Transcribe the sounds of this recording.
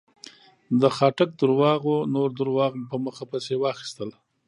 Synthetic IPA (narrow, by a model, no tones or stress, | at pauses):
d̪əxɑʈak̚d̪əɾwɑɣonoɾd̪əɾwɑɣpəməxapasewɑxi̥st̪əl